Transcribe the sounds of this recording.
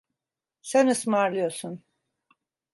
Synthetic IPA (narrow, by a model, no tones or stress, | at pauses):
sænɯsmaɾlˠɯjo̞ɾsun